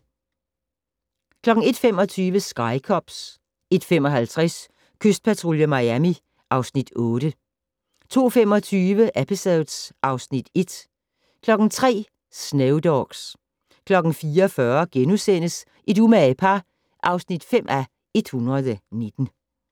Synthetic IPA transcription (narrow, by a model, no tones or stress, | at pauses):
kʰlɒ̽ɡ̥ŋ̩e̝d̥femɒ̽t͡sʰyːʋəsɡ̥ɑ̈ɪkʰɒb̥s | e̝d̥femɒ̽ɦælt͡sʰʁɛs | kʰøsd̥̚pʰæt͡sʰʁo̝ljəmɑɪæmi | ʔɑ̈ʊsnid̥ɔ̽ːɾ̥ə | t͡sʰo̝̰ːfem̰ɒ̽t͡sʰyːʋəʔæpʰisɛðd̥sʔɑ̈ʊsnid̥e̝d̥ | kʰlɒ̽ɡ̥n̩t͡sʰʁɛ̰ː | sneʊd̥ɒɡ̥s | kʰlɒ̽ɡ̥n̩fiːɐfɶɐɡ̥enusen̰əs | ʔe̝dumæepʰɑ | ʔɑ̈ʊsnid̥fem̰ʔæ | e̝d̥hunʁɐð̩ˠəne̝d̥n̩